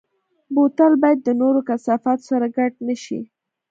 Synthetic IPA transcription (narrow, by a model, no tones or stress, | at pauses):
bot̪albɑjad̪ːənoɾokasɑfɑt̪o̥saɾaɡaʈ̚nəʃḭ